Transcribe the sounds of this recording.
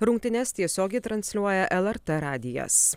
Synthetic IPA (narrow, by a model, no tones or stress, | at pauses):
ɾʊŋʲk̚ʲt̪ʲɪnʲɛst̪ʲiɛsʲoːɡʲɛɪt̪ɾɐnʲsʲlʲuɔjɛʔɛlˠɛɾt̪ɛɾɑːd̪ʲɪjɛ̰s